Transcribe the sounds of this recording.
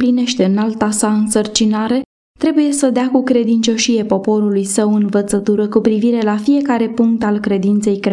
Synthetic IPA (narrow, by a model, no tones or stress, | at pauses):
pline̞ʃt̪e̞ɨnalt̪asaɨnsərt͡ʃinaɾe̞ | t̪ɾe̞buje̞səd̪eakukɾe̞d̪int͡ʃo̞ʃije̞po̞po̞ɾulujsəwɨnvət̪sət̪uɾəkupɾiviɾe̞lafije̞kaɾe̞puŋk̚t̪alkɾe̞d̪int̪se̞jkɾe